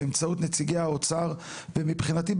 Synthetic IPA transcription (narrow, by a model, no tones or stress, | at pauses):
emt͡saut̪net͡siɡejaot͡saʁ | vemipχinatib